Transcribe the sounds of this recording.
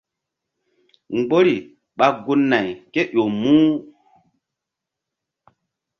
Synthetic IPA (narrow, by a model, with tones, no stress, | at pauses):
ŋ˨ɡ͡bo˦ɾi˨ | ɓa˨ɡu˦nːa˨jke˦ɗo˨mũː˦